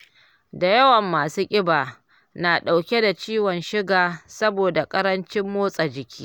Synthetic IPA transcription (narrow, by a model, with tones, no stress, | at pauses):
da˨jɐ˦wɐ˨mːaː˨suː˦kʲʼɪ˦baː˨ | naː˨ɗa˨wkʲe˦da˨t͡ʃiː˦wɔ˨nʃɪ˦ɡaː˨sɐ˦boː˨da˨kʼɐ˦ɾɐ˦nt͡ʃɪ˦mːoː˦sʼa˨d͡ʒɪ˨kʲiː˦